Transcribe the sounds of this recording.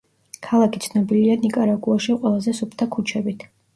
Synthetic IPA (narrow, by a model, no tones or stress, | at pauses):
kʰalˠakʰi̥t̪sʰnɔbilianikʼaɾaɡʼuaʃiqʼwɛlˠazɛsupʰt̪ʰakʰut͡ʃʰɛbit̪ʰ